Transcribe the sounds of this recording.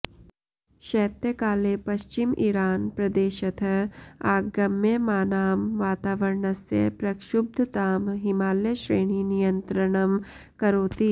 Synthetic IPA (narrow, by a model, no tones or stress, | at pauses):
ʃɛːt̪jəkaːlepɐʃt͡ʃɪmʔiɾaːnpɾɐd̪eːʃɐt̪ʰɐaːɡɐmːjemaːnaːmʋaːt̪aːʋɐɾɳɐsjɐ̰pɾɐkʃʊb̚d̪ʱət̪aːmɦɪmaːljəʃɾeːɳ̃inijɐnt̪ɾɐɽ̃ɐm | kɐɾoːt̪i